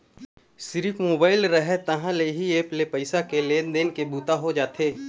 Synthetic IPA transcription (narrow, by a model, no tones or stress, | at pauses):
sɪɾifmoːbaːɪlɾəɦɛt̪ɐɦãleɦieːplepɐɪsakeleːnd̪eːnkebuːt̪aɦod͡ʒaːt̪ʰeː